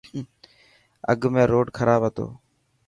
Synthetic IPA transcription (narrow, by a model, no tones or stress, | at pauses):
ə̰ɡʱmẽːɾoːɖkʰəɾaːbɦət̪o̰ː